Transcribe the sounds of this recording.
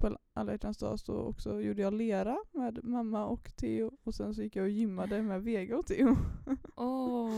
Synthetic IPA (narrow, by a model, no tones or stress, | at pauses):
pʰɔɛnʔa̰lːɛʈ̪ʰansd̪ɑ̰ːsɔ̰ɔ̰ksɔjuːɖəjɑːleːɾameːd̪mamːaɔkt̪ʰeːʊɔsɛnsɔjɪkːjɑɔjʏmːad̪əmɛveːɡaɔt̪ʰːeːʊ | ɔ